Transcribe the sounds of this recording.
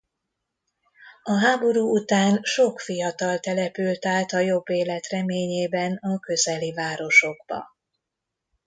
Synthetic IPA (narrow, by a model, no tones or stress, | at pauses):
ɒɦaːbo̞ɾuːut̪aːnʃo̞kfijɒt̪ɒlt̪ɛlɛpylt̪aːt̪ɒjo̞bːeːlɛt̪rɛmeːɲeːbɛnɒkø̞zɛlivaːɾo̞ʃo̞ɡ̚bɒ̰